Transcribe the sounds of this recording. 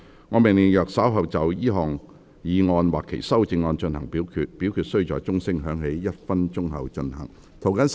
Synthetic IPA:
ŋɔː˨˧mɪ˨ŋli˨˩jœː˨k̚sɐ˨˥wɦɐ˨wt͡sɐ˨wjiː˥ɦɔː˨˩ŋ | jiː˨˧ŋɔː˧nwaː˨kʰːḛ˨˩jsɐ˥wt͡sɪ˧ŋːɔː˧nt͡ʃɵ˧nhɐ˨˩ŋpiː˨˥wkʰyː˧t̚pi˨˥wkʰyː˧t̚sɵ˥ji˧wt͡sɔː˨jt͡sʊ˥ŋsɪ˥ŋɦœː˨˥ŋɦe˨˥jːɐ˥t̚fɐ˥nt͡sʊ˥ŋɦɐ̰˨˧wt͡ʃɵ˧nhɐ˨˩ŋ | t̪ʰo˨˩wkɐ˨˥n

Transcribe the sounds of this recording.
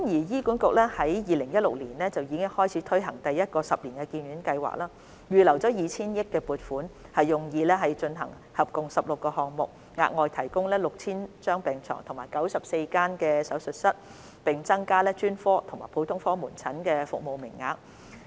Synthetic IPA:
mjiː˨˩jiː˥kuː˨˥nkʊ˨k̚lɛː˥hɐ˨˥jjiː˨˧lɪ˨˩ŋjɐ˥t̚lʊ˨k̚liː˨˩nlɛː˥t͡sɐ˨wjiː˨˧kɪ˥ŋhɔː˥jt͡sʰiː˨˥t̪ʰɵ˥ɥɦɐ˨˩ŋt̪ɐ˨jːɐ˥t̚kɔː˧sɐ˨p̚liː˨˩nkɛ˧kiː˧nɥyː˨˥nkɐ˧jwa̰ː˨˩k̚laː˥ | jyː˨lɐ˨˩wt͡sɔː˨˥jiː˨˧t͡sʰiː˥njɪ˥kːɛː˧puː˨t̚fuː˨˥nhɐ˨jːʊ˨ŋjiː˧lɛː˥ɦɐ˨jt͡ʃɵ˧nɦɐ˨˩ŋ | hɐ˨p̚kʊ˨ŋsɐ˨p̚lʊ˨kːɔː˧ɦɔː˨ŋmʊ̰˨k̚ | ŋa̰ː˧k̚ŋɔː˨jt̪ʰɐ˨˩jkʊ˥ŋlɛː˥lʊ˨k̚t͡sʰiː˥nt͡ʃœː˥ŋpɛː˨ŋt͡sʰɔ̰ː˨˩ŋt̪ʰʊ˨˩ŋmaː˨˩jkɐ˨˥wsɐ˨p̚se˧jkaː˥nkɛː˧sɐ˨˥wsɵ˨t̚sɐ˥t̚ | pɪ˨˩ŋt͡sɐ˥ŋkaː˥lɛː˥t͡ʃyː˥nfɔː˥t̪ʰʊ˨˩ŋma̰ː˨˩pʰo˨˥wt̪ʰʊ˥ŋfɔː˥muː˨˩nt͡sʰɐ˨˥nkɛː˧fʊ̰˨k̚mo˨˧wmɪ̰˨˩ŋːa̰ː˨˧k̚

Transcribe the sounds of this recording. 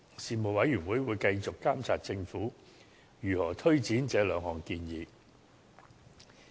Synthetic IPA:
siː˨mo˨wɐ˨˥jɥyː˨˩nwuː˨˥jwuː˨˧jkɐ˧jt͡sʊ˨kːaː˥mt͡sʰaː˨t̚t͡sɪ˧ŋfuː˨˥ | jyː˨˩hɔː˨˩t̪ʰɵ˥ɥt͡siː˨˥nt͡sɛː˨˥lœː˨˧ŋɦɔː˨ŋkiː˧njiː˨˧

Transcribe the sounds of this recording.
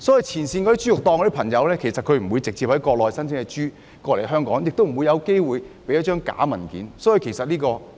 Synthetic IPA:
sɔː˨˥ji˨jt͡sʰiː˨˩nsiː˧nkɔː˨˧d̪i˥t͡ʃyː˥ʊ˨k̚t̪ɔː˧ŋkɔ˧˥i˥pʰɐ˨˩ŋjɐ˨˧wlɛː˥kʰe˨˩jsɐ˨t̚kʰɵ˨˧ɥm̩˨˩wu˨˧jt͡sɪ˨k̚t͡siː˧p̚hɐ˨˥jkɔː˧k̚lɔː˨˩jsɐ˥nt͡sʰɪ˥ŋkɛ˨˧t͡ʃyː˥ | kɔː˧le˨˩ɦœː˥ŋkɔː˨˥ŋjɪ˨k̚t̪o˥wm̩˨˩wu˨˧jɐ˨˧wke˥jwuː˨˧jpe˨˥jɐ˥t̚t͡ʃœː˥ŋka̰ː˨˥mɐ˨˩nkḭː˨˥nsɔː˨˥ji˨˧kʰe˨˩jsɐ˨t̚liː˥kɔː˧

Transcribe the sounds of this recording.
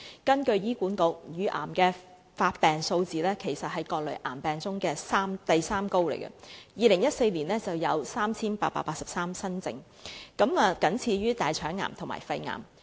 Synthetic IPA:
kɐ˥nkɵ˧ɥjiː˥kuː˨˥nko˧k̚jyː˨˥ʔa̰ː˨˩mkɛː˧ | faː˧t̚pɛː˨ŋso˧wt͡siː˨lɛː˥kʰe˨˩jsɐ˨t̚hɐ˨˧jkɔː˧k̚lɵ̰˨˩ʔaː˨˩mpɛː˨˩ŋt͡sʊ˥ŋkɛː˧saː˥mt̪ɐ˨jsaː˥mko˥wlḛ˨˩jkɐ̰˧jiː˨˧lɪ˨˩ŋjɐ˥t̚se˧jliː˨˩nlɛː˥t͡sɐ˨wjɐ˨˧wsaː˥mt͡sʰiː˥npaː˧t̚paː˧t̚paː˧t̚sɐ˨p̚saː˥msɐ˥nt͡sɪ̰˧ŋ | kɐ˨˥mɛ˨˧kɐ˨˥nt͡sʰiː˨˧ɥyː˥t̪aː˨jt͡ʃʰœː˨˥ŋːa̰ː˨˩mt̪ʰʊ˨˩ma̰ː˨˩jfɐ˧jŋa̰ː˨˩m

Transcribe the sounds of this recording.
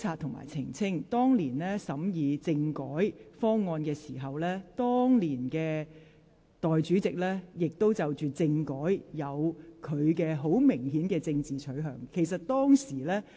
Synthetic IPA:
t͡sʰaː˧t̚t̪ʰʊ˨˩ŋma̰ː˨˩jt͡sʰɪ˨˩ŋt͡sʰɪ˥ŋt̪ɔː˥ŋliː˨˩nlɛː˥sɐ˨˥mjiː˨˧t͡sɪ˧ŋkɔː˨˥jfɔː˥ŋːɔː˧nkɛː˧siː˨˩ɦɐ˨wlɛː˥t̪ɔː˥ŋliː˨˩nkɛː˧ | t̪ɔː˨jt͡ʃyː˨˥t͡sɪ˨k̚lɛː˥jɪ˨k̚t̪o˥wt͡sɐ˨wt͡ʃyː˨t͡sɪ˧ŋkɔː˨˥jjɐ˨˧wkʰɵ˨˧ɥkɛː˧ɦo˨˥wmɪ˨˩ŋɦiː˨˥nkɛː˧t͡sɪ˧ŋt͡siː˨t͡ʃʰɵ˨˥ɥɦœ̰ː˨˩ŋkʰe˨˩js̬ɐ˨t̚t̪ɔː˥ŋsiː˨˩lɛː˥

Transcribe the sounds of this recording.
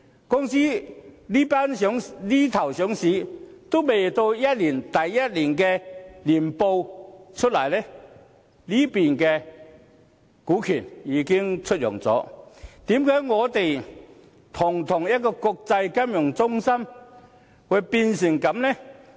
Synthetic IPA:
kʊ˥ŋsi˥liː˥paː˥nsɔ˨˥ŋli˦˥t̪ʰɐ˨˩wsɔ˨˥ŋsi˨˧˥t̪o˥me˨˩jt̪o˧wjɐ˦˥t̚li˨˩nt̪ɐ˨˩jːɐ˦˥t̚li˨˩nkɛ˧li˨˩npo˧wt͡ʃʰə˥t̚lɐ̰˨˩jlɛ˦˥ | liː˦˥pi˨nkɛ˧ | kuː˨˥kʰyː˨˩niː˨˧˦kɪ˥ŋt͡sʰɵ˥t̚jʊ̰˨˩ŋt͡sɔ̰ː˨˦t̪iː˨˥mkaː˨˥jŋɔː˨˧t̪e˨j | t̪ʰʊ˨˩ŋt̪ʰʊ˨˩ŋjɐ˥t̚kːɔ˧kʊ˧k̚t͡sa˧jkɐ˥mjʊ˨˩ŋt͡sʊ˥ŋsɐ˥m | wʊ˨˧˩pi˧nsɪ˨˩ŋkɐ˨˥mnɛ˥

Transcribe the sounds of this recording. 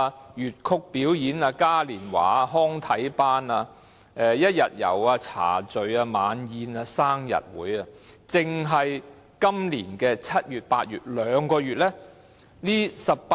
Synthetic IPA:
jyː˨t̚kʰʊ˧k̚pi˨˥wjiː˨˥naː˧kaː˥liː˨˩nwa̰ː˨˩˧ɦɔː˥ŋt̪ʰɐ˨˥jpaː˥naː˧ | ʔɛː˨jɐ˥t̚jɐ˨t̚jɐ̰˨˩waː˧t͡sʰa̰ː˨˩t͡sɵ˨ɥaː˧maː˨˧njiː˨˧naː˧saː˥ŋjɐ̰˨t̚wṵː˨˥jaː˧t͡sɪ˨ŋɦɐ˨j | kɐ˥mliː˨˩nkɛː˧t͡sʰɐ˥t̚jyː˨t̚paː˧t̚jyː˨t̚lœː˨˧ŋkɔː˧jyː˨˩t̚lɛ˥ | liː˥sɐ˨p̚pː

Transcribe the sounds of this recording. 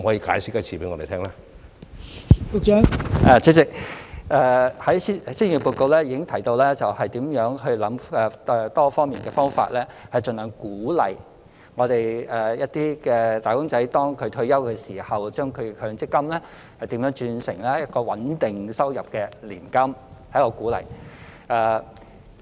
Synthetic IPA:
mhɔː˨˥jiː˧ka̰ː˨˥jsɪ˥kːɐ˥t͡sʰiː˨˩pe˨˦jŋɔ̰ː˨˧te˨tʰɛː˥ŋlaː˦˥ | pʊ˨˧k̚t͡ʃœː˨˥ŋʔɛ˨˧t͡sʰi˨˥t͡sɪ˨k̚ʔɛː˨˧hɐ˨˥jsi˥siː˥njyː˨˩puː˧t̚ko˧wlɛː˥jiː˨˧˥kɪ˥ŋt̪ʰɐ˨˩jt̪o˧wlɛː˥t͡sɐ˨whɐ˨jt̪iː˨˥mjœː˨˥ŋhɵ˧ɥlɐ˨˥mɛ˨˧t̪ɔː˥fɔː˥ŋmiː˨nkɛː˧fɔː˥ŋfa̰ː˧t̚lɛː˥hɐ˨jt͡ʃɵ˨nlœː˨˩ŋkuː˨˥lɐ̰˨j | ŋɔː˨˧t̪e˨jɛː˨jɐ˥t̚t̪iː˥kɛː˧t̪aː˨jkʊ˥ŋt͡sɐ˨˥jt̪ɔː˥ŋkʰɵ˨˧ɥt̪ʰɵ˧ɥjɐ˥wkɛː˧siː˨˩hɐ˨wt͡ʃœː˥ŋkʰɵ˨˧ɥkʰœː˨˧ŋt͡sɪ˥kːɐ˥mlɛː˥ | hɐ˨jt̪iː˨˥mjœː˨˥ŋt͡ʃyː˧nsɪ̰˨˩ŋlɛː˥jɐ˥t̚kɔː˧wɐ˨˥nt̪ɪ˨ŋsɐ˥wjɐ˨p̚kɛː˧lḭː˨˩nkɐ˥mhɐ˨˥jɔ˨˧kuː˨˥lɐ̰˨˩j | ʔɛː˨˧

